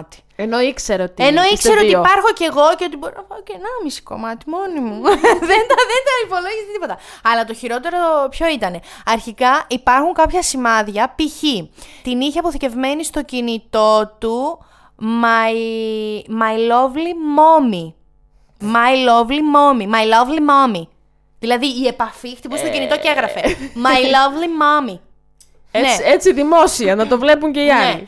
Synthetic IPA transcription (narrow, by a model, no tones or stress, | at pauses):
t̪i̥ | enoikseɾot̪ieno̞ikseɾootiipɐɾxo̞ce̞ɣo̞ceot̪iboɾinɐpɐocenɐmisi̥ko̞̰mɐt̪i̥mo̞nimuðend̪ɐðend̪ɐipo̞loʝist̪ipo̞t̪ɐɐlɐt̪o̞çiɾo̞t̪e̞ɾopço̞it̪ɐne̞ɐɾçikɐʔipɐɾxuŋkɐpçɐsimɐðʝɐpiçit̪iniçeɐpo̞θice̞vme̞nist̪o̞cinit̪o̞t̪u | mɐi | mɐilo̞vlimo̞mi | mɐjlovlimo̞mimɐjlovlimomi | ðilɐðiːe̞pɐfixt̪ipust̪ocinit̪o̞eɣɾɐfemɐilovlimomi | neet͡siðimo̞siɐnɐt̪o̞vle̞puɲceiɐlei